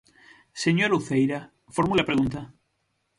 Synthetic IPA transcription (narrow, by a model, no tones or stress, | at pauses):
seɲoɾuθejɾa | foɾmulapɾeɣunt̪a